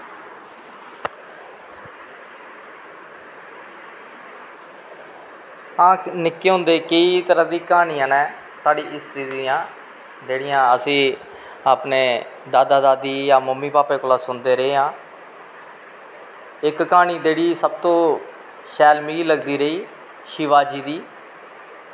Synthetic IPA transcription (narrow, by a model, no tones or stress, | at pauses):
ãːnɪkːeːɦʊ̃nd̪eːkəiːt̪əɾãːd̪iːkaːniːãːnɛː | saːɽiːʔɪsɾiːd̪iːãː | d͡ʒeːɽɪjãːəsĩː | aːpneː | d̪aːd̪aːd̪aːd̪iːjãːməmːiːpaːpeːkolaːsʊnd̪eːɾəeːãː | ɪkːaːniːd͡ʒeːɽiːsəb̚t̪õː | ʃɛːlmiːiləɡd̪iːɾəiː | ʃɪʋaːd͡ʒiːd̪iː